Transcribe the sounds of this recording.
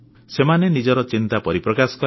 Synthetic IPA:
semanenid͡ʒɔɾɔt͡ʃint̪apɔɾipɾɔkasɔ̥kɔ

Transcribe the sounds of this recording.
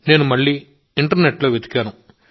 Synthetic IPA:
ne̞ːnumɐɭːiː | iɳʈɐɾneʈːlo̞ːʋjɐd̪ʱi̥kːaːnu

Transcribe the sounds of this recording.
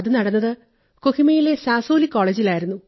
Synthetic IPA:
ɐðɨnɐɽɐnːɐðɨ | kohimɐjile̞saːsoːlikːoːɭeːd͡ʑilaːjiɾunːu

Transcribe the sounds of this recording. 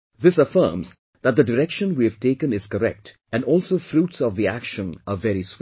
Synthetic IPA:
ðɪsəfə̰ːmz | ðæt̚d̪əɖɪɾɛkʃə̃nwiɨv̥ʈeːkə̃nɪz̥kəɾɛ̰k̚t | ɛ̃nɖɔːlˠsoːfɾuːʈsɔvðiækʃə̃nəvɛɾis

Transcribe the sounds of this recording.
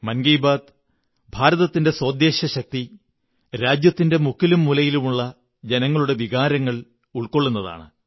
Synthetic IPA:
mɐnɡijbaːd̪ | bʱaːɾɐðɐt̪ːinde̞swɐːd̪jeːɕɐɕɐk̚t̪i | ɾaːd͡ʑjɐt̪ːinde̞mukʰːilumːulɐjilumuɭːɐ | d͡ʑenɐŋːɐɭuɽe̞ʋiɣaːɾɐŋːɐɭ | uɭko̞ɭːunːɐða̰ːɳɨ

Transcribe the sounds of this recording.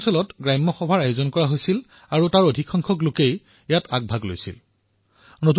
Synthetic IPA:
sɔlɔtɡɹajmːɔxɔbʱaɹajozɔnkɔɹaɦojsil | aɹutaɹodʱikʰːɔŋkʰɔklokej | ejatʰak̚bʱaɡlo̰jsḭl | not

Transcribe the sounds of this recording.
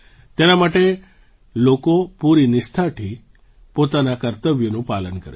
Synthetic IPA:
t̪enamaʈe | lokopuɾinɪst̪ʰaʈʰi | pot̪anakəɾt̪əʋjonũpalənkə̰ɾḛ

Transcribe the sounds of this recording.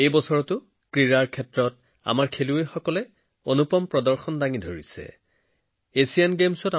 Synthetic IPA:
ejbɔsɔɹɔtʊ | kɹiɹaɹkʰɛtɹɔt | a̰maɹkʰeluejxɔkɔlɛ | onupɔmpɹɔdɔɹxɔndaŋidʱoɹḭsɛ̰ | esijanɡemsɔta

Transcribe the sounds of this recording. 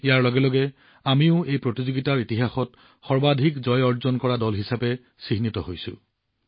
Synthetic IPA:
ijaɹlɔɡɛlɔɡɛ | amiʊejpɹotizoɡitaɹitiɦaxɔt | xɔɹbadʱikzɔjɔɹzɔnkɔɹadɔlɦisapɛ | siɦnitɔɦojsʊ̰̃

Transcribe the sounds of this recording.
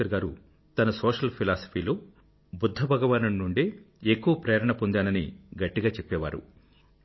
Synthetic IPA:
ɐɾɡaːɾu | t̪ɐnɐsoːʂɐlpʰilaːsɐ̥pʰiːloː | bud̪ʱːɐbʱɐɡɐʋaːnɐmnuɳɖe | ekːuʋɐpɾeːɾɐɳɐpond̪aːnɐnḭɡɐʈːiɡaːt͡ʃepːɛːʋa̰ːɾṵ

